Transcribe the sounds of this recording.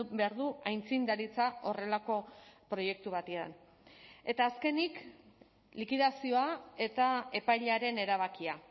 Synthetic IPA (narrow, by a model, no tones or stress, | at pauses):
be̞aɾðuajnt͡sind̪aɾit͡sao̞re̞lako̞pɾo̞je̞k̚t̪uβ̞at̪ea̰n | e̞t̪aːske̞nik | likiðasio̞ae̞t̪ae̞pajʎaɾe̞ne̞ɾaβ̞akia